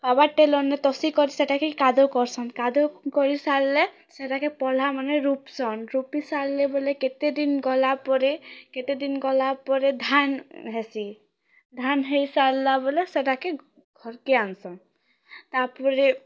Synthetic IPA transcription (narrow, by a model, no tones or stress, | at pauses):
babaɾʈelɔnːet̪ɔsikɔɾiseʈakekad̪ʱokɔɾsʰɔnkad̪okɔɾisalːe | seʈakepɔl̤amaneɾupsɔnɾupisalːeboleket̪ed̪inɡɔlapɔɾeket̪ed̪inɡɔlapɔɾed̪ʱanɦesi | d̪ʱanɦejsalːaboleseʈake | ɡʱɔɾkeansɔn | t̪aɾpɔɾe